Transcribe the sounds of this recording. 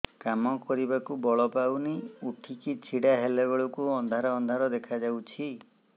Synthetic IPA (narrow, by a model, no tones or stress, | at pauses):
kamɔkɔɾibakubɔɭɔpawniuʈʰikit͡ʃʰiɽaɦelebeɭɔkuɔnd̪ʱaɾɔːnd̪ʱaɾɔd̪ekʰad͡ʒawt͡ʃʰi